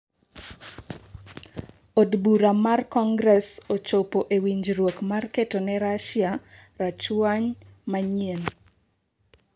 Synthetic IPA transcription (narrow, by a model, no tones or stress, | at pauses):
odbuɾamarkɔŋɡɾɛsot͡ʃopoʔewiɲd͡ʒɾwokmarketonɛɾaʃja | ɾat͡ʃwaɲmaɲien